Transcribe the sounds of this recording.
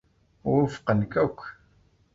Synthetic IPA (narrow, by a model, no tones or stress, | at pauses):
wʊfqənkækʷː